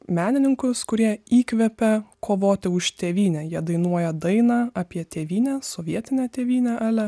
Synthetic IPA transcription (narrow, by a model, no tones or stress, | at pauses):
mʲæːnʲɪnʲɪŋkʊskʊɾʲiɛiːkʋʲɛpʲɛkʰoːʋoːt̪ʲɪʊʃt̪ʲeːʋʲiːnʲɛjiɛd̪ɐɪnuɔjɛd̪ɐɪnɑːɑpʲiɛt̪ʲeːʋʲiːnʲɛːsoːʋʲiɛt̪ʲɪnʲɛt̪ʲeːʋʲiːnʲɛʔɑːlʲɛ